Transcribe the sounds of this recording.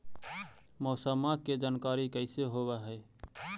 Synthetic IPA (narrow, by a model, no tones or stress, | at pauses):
mɔːsəmaked͡ʒaːnkaɾikəɪseɦoβɛɦəɪ